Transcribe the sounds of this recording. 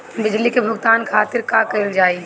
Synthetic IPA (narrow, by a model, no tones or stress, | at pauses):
bɪd͡ʒlikebʱʊɡt̪aːnkʰaːt̪ɪɾkakəɪld͡ʒaːi